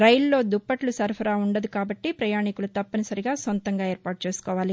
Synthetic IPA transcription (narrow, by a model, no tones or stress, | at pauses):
ɾɐjllːo̞ːd̪upːɐʈlusɐɾpʰɐɾaːuɳɖɐd̪ukaːbɐʈːipɾɐjaːɳikulut̪ɐpːɐnisɐɾiɡaːsont̪ɐŋɡaːeːɾpaːʈ̚t͡ʃe̞ːsu̥kɔːʋaːli